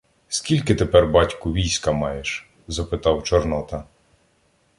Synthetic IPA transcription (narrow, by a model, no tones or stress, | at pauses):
skʲilʲkɪt̪epɛrbɑtʲkʊʋʲijsʲkɐmɑjeʃ | zɐpɪt̪ɑwt͡ʃɔrnɔt̪ɐ